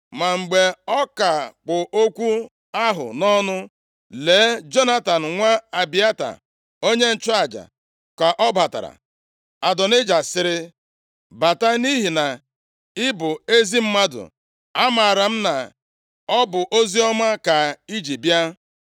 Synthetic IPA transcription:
ma˨ŋ͡m̩˨ɡ͡be˨ɔ˦ka˨k͡pʊ˨ʔo˦kʷu˦ | a˦ɦʊ̰˨nɔ˦nʊ˦ | leː˨˦d͡ʒo˦na˦ta˨n̩˨ŋʷa˦a˨bi˦a˦ta̰˨ | o˦ɲe˦n̩˦˨t͡ʃʊ˦a˨d͡ʒa̰˨ | ka˨ʔɔ˦ba˨ta̰˨ɾa̰˨ | a˨dɔ˨nɪ˦d͡ʒa˨sɪ˨ɾɪ˦ | ba˨ta˦ni˦ɦi˨na˨ | ɪ˦bʊ˨e˦zi˦m̩˦ma˦dʊ̰˨ | a˦ma˨ɾa˨m̩˦na˨ | ɔ˦bʊ˨ʔo˦zi˦ɔ˦ma˦ka˨i˦d͡ʒi˨bi˦a˦

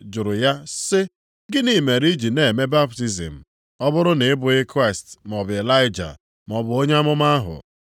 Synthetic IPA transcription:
d͡ʒʊ˨ɾʊ˨ja˦sɪ˦ | ɡɪ˦ni˦˨me˨ɾi˦d͡ʒi˨ne˨e˨me˦ba˦p̚ti˦zḭ˨m̩˨ | ɔ˦bʊ˦ɾʊ˦nɪ˨ɪ˦bʊ˨ɪ˦kɾa˦ɪ˨stm˨ɔ˨bʊ˨e˨la˦ɪ˦d͡ʒa̰˨ | m˨ɔ˨bʊ˨˦o˦ɲe˦a˦mʊ˦ma˦ɦʊ̰˨

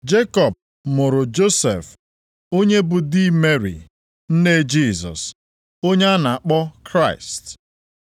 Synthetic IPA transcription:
d͡ʒe˦kɔ˨p̚ | mʊ˨ɾʊ˨d͡ʒo˦sḛ˨f | o˦ɲe˦bʊ˨di˦me˦ɾḭ˨ | n̩˦ne˦d͡ʒi˦˨zɔ̰˨s | o˦ɲe˦a˦na˨a˨k͡pɔ˦kɾa˦˨ɪ˨st

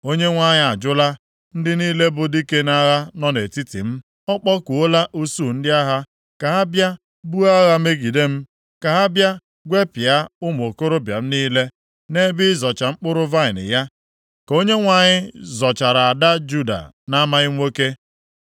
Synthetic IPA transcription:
o˦ɲe˦ŋʷa˨ɲɪ˦a˨d͡ʒʊ˦la˦ | n̩˦dɪ˦niː˦le˦bʊ˨di˦ke˦na˦ɣa˦nɔ˦ne˨ti˦tḭ˨m̩˦ | ɔ˦k͡pɔ˦ku˨o˦la˦ʔu˦su˦˨n̩˦dɪ˦a˦ɦa˦ | ka˨a˦bja˦ | bu˦a˦ɣa˦me˦ɡi˨de˦m̩˦ | ka˨a˦bja˦ | ɡʷe˦pɪ˨a˦ʊ˦m˨o˨ko˦ɾo˦bja̰˨m̩˦niː˦le˦ | ne˦bɪ˦zɔ˨t͡ʃa˨ŋ͡m̩˦k͡pʊ˦ɾʊ˦va˦ɪ˨nɪ̰˨ja˦ | ko˦ɲe˦ŋʷa˨ɲɪ˦zɔ˨t͡ʃa˨ɾa˨a˨da˦d͡ʒu˦˨da̰˨ | na˦ma˦ɣɪ˦ŋʷo˦ke˦

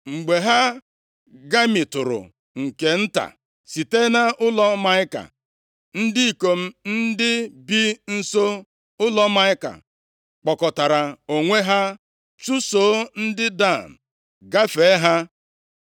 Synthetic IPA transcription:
ŋ͡m̩˨ɡ͡be˨ɦa˦ | ɡa˦mi˨tʊ˨ɾʊ̰˨ | ŋ̩˨ke˨n̩˦ta̰˨ | si˨te˦na˦ʔʊ˦lɔ˦ma˦ɪ˦ka̰˨ | n̩˦dɪ˦i˦˨ko˨m̩˦n̩˦dɪ˦bi˦n̩˦so˦ | ʊ˦lɔ˦ma˦ɪ˦ka̰˨ | k͡pɔ˨kɔ˨ta˨ɾa˨o˨ŋʷe˦ɦa˦ | t͡ʃu˦so˨˦n̩˦dɪ˦da˦˨m̩˨ | ɡa˦fe˨˦ɦa˦

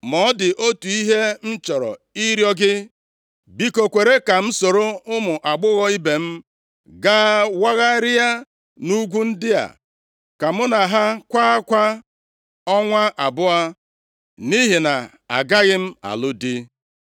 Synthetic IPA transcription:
mɔ˦dɪ˨ʔo˦tu˨i˦ɦe˦n̩˦t͡ʃɔ˨ɾɔ̰˨i˦ɾjɔ˦ɡɪ˦ | bi˦ko˨kʷe˨ɾe˦ka˨m̩˦so˨ɾo˦ʊ˦mʊ˨ʔa˨ɡ͡bʊ˦ɣɔ˦i˦be˨m̩˦ | ɡaː˦wa˦ɣa˦ɾɪ˦ja˦ | nu˦ɡʷu˦n̩˦dɪ˦a̰˨ | ka˨mʊ˦na˨ɦa˦kʷaː˦a˦kʷa˦ | ɔ˦ŋʷa˦ʔa˨bʊ˦a˦ | ni˦ɦɪ˨na˨ | a̰˨ɡa˦ɣɪ˦m̩˦a̰˨lʊ˦dɪ˦

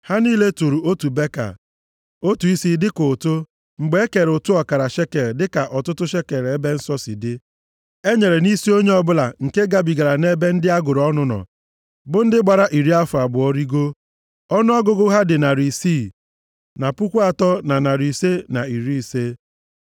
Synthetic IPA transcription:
ha˦niː˦le˦tu˨ɾu˨o˦tu˨be˦ka̰˨ | o˦tu˨i˦si˦dɪ˦ko˨to˦ | ŋ͡m̩˨ɡ͡be˨˦e˦ke˨ɾo˨tu˦ɔ˨ka˨ɾa˨ʃe˦ke˨ɾdɪ˦ka˨ʔɔ˨tʊ˦tʊ˦ʃe˦ke˨ɾe˦be˦n̩˦sɔ˦sɪ̰˨dɪ˦ | e˦ɲe˨ɾe˨ni˦si˦o˦ɲe˦ɔ˦bʊ˦la˨ŋ̩˨ke˦ɡa˦˨bi˨ɡa˨ɾa˨ne˦be˦n̩˦dɪ˦a˦ɡʊ˨ɾɔ˦nʊ˦nɔ̰˨ | bʊ˦n̩˦dɪ˦ɡ͡ba˨ɾa˦ʔi˨ɾi˦a˦fʊ˨a˨bʊ˨ɔ˦ɾi˦ɡo˦ | ɔ˦nʊ˦ɔ˦ɡʊ˦ɡʊ˦ɦa˦dɪ˨na˨ɾi˨siː˦˨ | na˨pu˦kʷu˦a˨tɔ˦na˨na˨ɾi˨se˦na˨i˨ɾi˦i˨se˦

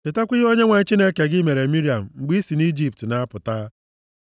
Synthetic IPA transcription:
t͡ʃɪ˨ta˦kʷi˦ɦo˦ɲe˦ŋʷe˨˦t͡ʃi˦ne˦ke˨ɡɪ˦me˨ɾe˨mi˦ɾi˨a˨m̩˨ŋ͡m̩˨ɡ͡bi˦si˨ni˦d͡ʒi˦p̚tna˦a˦pʊ˨taː˦

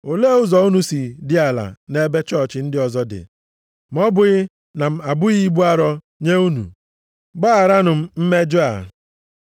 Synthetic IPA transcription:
o˨le˦ʊ˦zɔ˨u˦nu˨si˨dɪ˦a˨la̰˨ne˦be˦t͡ʃɔ˦˨t͡ʃɪ˨n̩˦dɪ˦ɔ˨zɔ˦dɪ̰˨ | m̩˨˦ɔ˦bʊ˨ɣɪ˦ | na˨m̩˨a˨bʊ˦ɣi˦ɡ͡bu˦a˦ɾɔ˦ | ɲe˦u˦nṵ˨ | ɡ͡ba˦a˨ɾa˦nʊ˨m̩˦m̩˦me˦d͡ʒʊ˦a̰˨

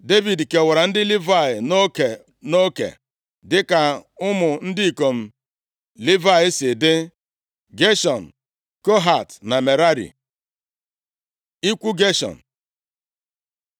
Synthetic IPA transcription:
de˦vi˨dke˨wa˨ɾa˨n̩˦dɪ˦li˦va˦˨ɪ˨no˦ke˨ | no˦kḛ˨ | dɪ˦ka˨ʊ˦mʊ˨n̩˦dɪ˦i˨ko˨m̩˨ | li˦va˦ɪ˦sɪ˨dɪ˦ | ɡe˦ʃɔ˨n̩˨ | ko˦ɦa˨tna˨me˨ɾa˦ɾḭ˨ | i˦kʷu˦ɡe˦ʃɔ̰˨n̩˨

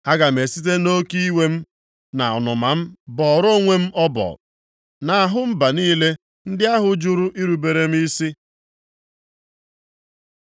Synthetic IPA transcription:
a˦ɡa˨m̩e˨si˦t̬e˦no˦ki˦i˦we˦m̩˦ | na˨ɔ̰˨nʊ˨ma˨m̩˦bɔ˨ɾo˦ŋʷe˦m̩˦ɔ˦bɔ̰˨ | na˨a˨ɦʊ˦m̩˦ba˨niː˦le˦ | n̩˦dɪ˦a˦ɦʊ˨d͡ʒu˦ɾʊ˦ʔi˦ɾu˨be˨ɾe˦m̩˦i˦si˦

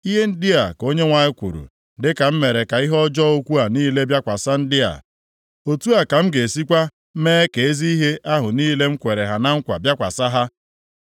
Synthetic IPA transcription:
i˦ɦe˦n̩˦dɪ˦a˨ko˦ɲe˦ŋʷa˨ɲɪ˦kʷṵ˨ɾṵ˨ | dɪ˦ka˨m̩˦me˨ɾe˨ka˨i˦ɦɔ˦d͡ʒɔ˦o˦kʷu˦a˨niː˦le˦bja˦kʷa˨sa˦n̩˦dɪ˦a̰˨ | o˨tu˦a˨ka˨m̩˦ɡe˨si˦kʷa˦ | meː˦ke˨e˦zi˦i˦ɦe˦ʔa˦ɦʊ˨niː˦le˦ŋ͡m̩˦kʷe˨ɾe˨ɦa˨na˦ŋ̩˦kʷa̰˨bja˦kʷa̰˨sa˦ɦa˦

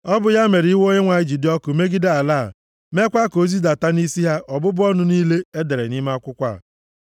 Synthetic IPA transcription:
ɔ˦bʊ˨ja˦me˨ɾi˦wo˦ɲe˦ŋʷa˨ɪ˦d͡ʒi˨dɔ˦kʊ˨me˦ɡi˦da˦a˨laː˦˨ | me˦kʷa˦ko˨zi˦da˨ta˦ni˦si˦ɦa˦ʔɔ˨bʊ˦bʊ˦ɔ˦nʊ˨niː˦le˦e˦de˨ɾe˨ni˦ma˦kʷʊ˦kʷa̰˦˨

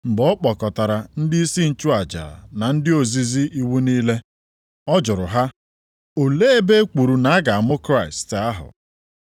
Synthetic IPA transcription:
ŋ͡m̩˨ɡ͡bɔ˦k͡pɔ˨kɔ˨ta˨ɾa˨n̩˦dɪ˦i˦si˦n̩˨t͡ʃu˦a˨d͡ʒa̰˨na˨n̩˦dɪ˦o˨zi˨zi˦ʔi˦wu˦niː˦le˦ | ɔ˦d͡ʒʊ˨ɾʊ˨ɦa˦ | o˨le˦e˦be˦ku˨ɾu˨na˨a˦ɡa˨a˨mʊ˦kɾa˦˨ɪ˨sta˦ɦʊ̰˨

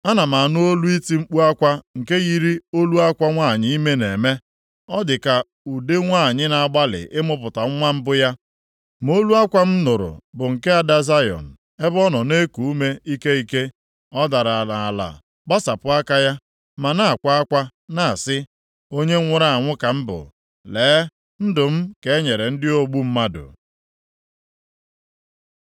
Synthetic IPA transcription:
a˦na˨ma˨nʊ˦o˦lu˦i˦ti˦ŋ͡m̩˦k͡pu˦a˦kʷa˦ŋ̩˨ke˦ɣi˦ɾi˦o˦lu˦a˦kʷa˦ŋʷa˦˨ɲɪ˦i˦me˦ne˨me˦ | ɔ˦dɪ˨ka˨ | u˨de˦ŋʷa˦˨ɲɪ˦na˨a˨ɡ͡ba˦lɪ̰˨ʔɪ˦mʊ˦pʊ˨ta˨ŋ̩˦ŋʷa˦m̩˦bʊ˦ja˦ | mo˦lu˦a˦kʷa˦m̩˦nʊ˨ɾʊ̰˨bʊ˨ŋ̩˨ke˦a˨da˦za˦jɔ̰˨n̩˨ | e˦bɔ˦nɔ˨ne˦ku˨u˦me˦i˦ke˦i˦ke˦ | ɔ˦da˨ɾa˨la˨a˨la̰˨ | ɡ͡ba˦sa˨pʊ˦a˦ka˦ja˦ | ma˨na˦a˨kʷa˦a˦kʷa˦na˨a˨sɪ˦ | o˦ɲe˦ŋʷʊ˦ɾa˦a˨ŋʷʊ˦ka˨m̩˦bʊ̰˨ | leː˨˦ | n̩˦dʊ˨m̩˦ke˨e˦ɲe˨ɾe˨n̩˦dɪ˦o˦ɡ͡bu˦m̩˦ma˦dʊ̰˨

